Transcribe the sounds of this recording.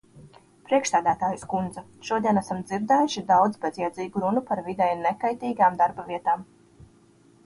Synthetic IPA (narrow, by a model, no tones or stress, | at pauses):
pɾiɛkʃsæːd̪æːt̪aːjuskund̪za | ʃuɔd̪iɛnæsamd̪ziɾd̪ɛːjuʃid̪awd̪zbɛzjɛd̪ziːɡuɾunupaɾvid̪ɛjnɛkajt̪iːɡaːmd̪aɾbaviɛt̪aːm